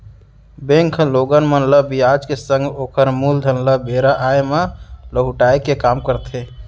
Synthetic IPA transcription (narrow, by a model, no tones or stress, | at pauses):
bẽŋkʰloɡənmənləbiad͡ʒkesə̃ŋɡoːkʰəɾmuld̪ʱənləbeɾaʔaemaləɡɦuʈaekekamkəɾt̪e